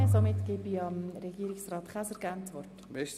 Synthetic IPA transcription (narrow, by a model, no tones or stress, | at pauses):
somɪt̪ɡ̥ɪbiɑmɾɛɡiːɾɪksrɑːt̪kʰæsəɾɡant͡sʋɔrt | bɛʃ